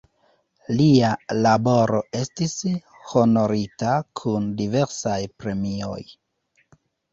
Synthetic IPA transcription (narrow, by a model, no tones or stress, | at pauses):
lialabo̞ɾo̞e̞stis | ho̞no̞ɾitakʰundive̞ɾsajpɾe̞mio̞̰j